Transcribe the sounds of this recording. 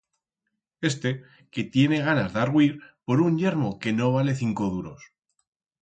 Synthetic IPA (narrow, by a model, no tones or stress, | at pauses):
e̞st̪e | ke̞t̪je̞ne̞ɣ̞anazðaɾɣwiɾpo̞ɾuɲʎe̞ɾmo̞ke̞no̞β̞ale̞θiŋko̞ðuɾo̞s